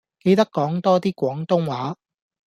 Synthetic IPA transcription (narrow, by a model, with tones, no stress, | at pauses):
ke˧jt̪ɐ˥kːɔː˨˥ŋt̪ɔː˥t̪iː˥kʷɔː˨˥ŋt̪ʊ˥ŋwaː˨˥